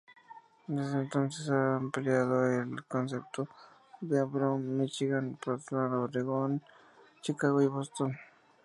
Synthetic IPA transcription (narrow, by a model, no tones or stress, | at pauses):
d̪ezd̪ent̪onsesampeleaðoelkonsep̚t̪o | d̪eapɾomit͡ʃiɣanpɾot̪lanoɾeɣon | t͡ʃikːaɣojβost̪on